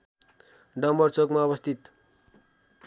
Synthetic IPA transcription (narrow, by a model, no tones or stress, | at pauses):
ɖʌmʌrt͡sokmaʌβʌst̪ʰit̪